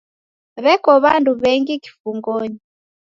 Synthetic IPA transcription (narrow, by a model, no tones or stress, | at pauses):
βɛkɔβanduβɛŋɡiki̥fuŋɡɔɲi